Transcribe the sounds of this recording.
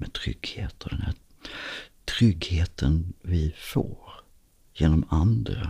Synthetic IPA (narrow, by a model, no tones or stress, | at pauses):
mɛt̪ʰɾʏ̰ɡ̥heːt̪ɔd̪ɛnhæ | t̪ʰɾʏɡheːt̪ʰənvɪfo̰ːɾ | jeːnɔmand̪ɾa̰